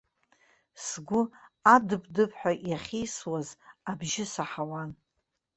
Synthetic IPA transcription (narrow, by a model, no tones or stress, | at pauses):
sɡʷʊadɨpʰʼdɨpʰħʷᶣaʔjaχʲejswazabʒɪsaħawan